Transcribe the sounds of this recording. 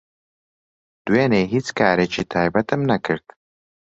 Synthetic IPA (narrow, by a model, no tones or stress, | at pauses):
d̪̥weːneɦit͡skaːɾet͡ʃit̪ʰaːjbat̪əmnakəɾt̪